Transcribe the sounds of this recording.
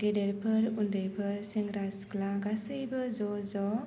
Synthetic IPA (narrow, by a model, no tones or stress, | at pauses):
ɡedeɾpʰɯɾundɯjpʰɯɾseŋɾasklaɡasɯjbɯzɔzɔ